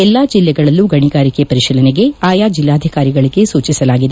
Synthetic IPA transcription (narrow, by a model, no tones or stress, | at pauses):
ɛlːaːd͡ʒilːɛɡɐɭɐlːuɡɐɳiɡaːɾikepɐɾiʃilɐneɡe̞aːjaːd͡ʒilːaːd̪ʱikaːɾiɡɐɭiɡe̞suːt͡ʃisɐlaːɡid̪e